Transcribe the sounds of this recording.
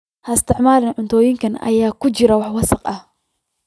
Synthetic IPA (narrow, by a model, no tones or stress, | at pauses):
hɐɪst̪ɪʕmaːlɪnʕʊnt̪ʰɔːjɪŋkɐnɐ̰jaːkʊt͡ʃɪɾɐwɑħwɑsɑqʔɐh